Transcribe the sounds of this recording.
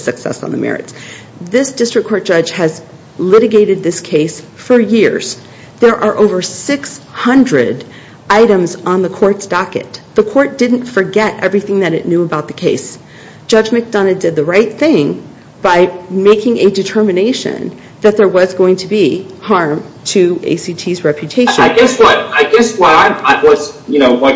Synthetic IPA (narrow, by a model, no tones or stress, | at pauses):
sɨksɛ̰sn̩ðə̰mɛ̰ɹɨ̰ts | ðɪsd̥ɪstɹ̥ɨk̚kʰɔɹt̚d̥ʒ̥ʌ̥ʒ̥ɨz | lɪɾɨɡeɪɾɨd̪̚ðɪskʰeɪsfə˞jɪɹz̥ | ðə˞ʔə˞ʔoʊvə˞sɪkshʌ̃ndɹɨ̰d | aɪɾɨ̃mz̃n̩ðəkʰɔɹtsd̥ɑkɨ̰t̪̚ðəkʰɔɹt̚d̥ɪdⁿn̩tfə˞ɡɛɾʔɛvɹiθɪ̃ŋðɨɾɨtⁿnjʉəbaʊt̪̚ðɨkʰeɪs | d̥ʒ̥ʌd͡ʒmɨk̚d̥ɑnɨddɨd̪̚ðɨɹaɪt̪̚θɪ̃ŋ | b̥aɪmeɪkɪ̃ŋʔɨdɨtʰɜ˞mɨneɪʃɨ̰̃n | ðɨt̪̚ðə˞wʌzɡoʊɪ̃ŋtʰəbihɑɹmtʰɨḛɪsitʰizɹɛpʰjɨtʰeɪʃɨ̃aɪɡɛswʌɾaɪɡɛswʌɾaɪaɪwʌzjɨnoʊwʌ